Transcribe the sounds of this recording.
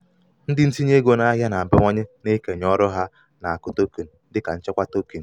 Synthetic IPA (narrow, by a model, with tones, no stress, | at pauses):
n̩˦dɪ˦n̩˦ti˦ɲ˦e˦ɡo˦na˦a˦ɦja˦na˨m̩˨bɪ˦ŋʷɔ˦ɲe˦ne˦ke˨ɲɔ˦ɾʊ˦ɦa˦ | na˨a˨kʊ˦to˦ki˨n̩˨˦dɪ˦ka˨n̩˦t͡ʃɪ˦kʷa˦to˦ki˨n̩˨